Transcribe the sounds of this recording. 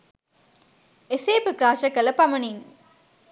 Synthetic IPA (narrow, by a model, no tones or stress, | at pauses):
eseːpɯkɾaːʃɐkɐlɐpɐmɐniŋ